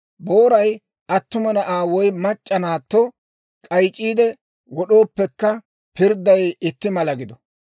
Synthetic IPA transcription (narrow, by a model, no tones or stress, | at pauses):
bo̞ːɾɐj | ʔɐt̪ːʊmɐnɐʔaːwɔjmɐt͡ʃʼːɐnaːt̪ːɔ | kʼɐjt͡ʃʼːiːd̪ɛ | wɔɗo̞ːpːɛkːɐ | pɪɾd̪ːɐjɪt̪ːɪmɐlɐɡɪd̪ɔ